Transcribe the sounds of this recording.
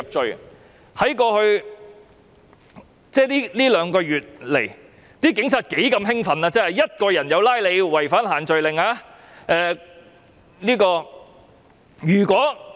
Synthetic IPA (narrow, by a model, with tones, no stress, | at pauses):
p̚t͡ʃɵ˨ɥ | hɐ˨˥jkɔː˧hɵ˧ɥ | t͡sɛː˥˩liː˥liː˥lœː˨˧ŋkɔː˧ɥyː˨t̚le˨˩j | t̪iː˥kɪ˨˥ŋt͡sʰaː˨˧t̚ke˨˥jkɐ˧mɦɪ˥ŋfɐ˨naː˧t͡sɛː˥hɐ˨jɐ˥t̚kɔː˧jɐ˨˩njɐ˨˧wlaː˥jle˨˧jwɐ˨˩jfaː˥nɦaː˨˩nt͡ʃɵ˨ɥlɪ˨ŋaː˧ | ʔɛː˨˧ | liː˥kɔː˧ | jɥyː˨˩kʷɔː˨˥